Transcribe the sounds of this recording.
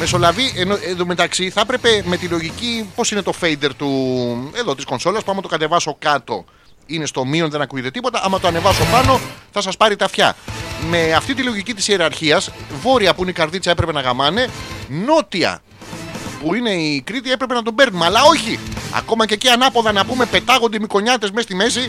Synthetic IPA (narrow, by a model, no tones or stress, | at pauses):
me̞so̞lɐviʔenoeðome̞t̪ɐksiθɐepɾe̞pe̞me̞t̪ilo̞ʝicipo̞sine̞t̪o̞fejd̪e̞ɾt̪ue̞ðo̞t̪isko̞nso̞lɐspuɐmɐt̪o̞kɐt̪e̞vɐso̞kɐt̪o̞̰ | ine̞st̪o̞mio̞nðe̞nɐkujit̪e̞t̪ipo̞t̪ɐʔɐmɐt̪oɐne̞vɐso̞pɐno̞θɐsɐspɐɾit̪ɐfçɐ̰me̞ɐft̪it̪ilo̞ʝicit̪i̥sie̞ɾɐɾçiɐsvo̞ɾiɐpuineikɐɾðit͡sɐe̞pɾepe̞nɐɣɐmɐne̞no̞t̪iɐ̰ | puine̞ikɾit̪ie̞pɾe̞pe̞nɐt̪obe̞ɾnumeɐlɐo̞çiɐ̰ko̞mɐceciɐnɐpo̞ðɐnɐpume̞pe̞t̪ɐɣond̪emiko̞ɲɐt̪e̞zme̞st̪ime̞si